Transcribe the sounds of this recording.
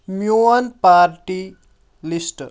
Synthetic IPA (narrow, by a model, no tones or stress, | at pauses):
mjuɐnpaɾʈi | lisʈə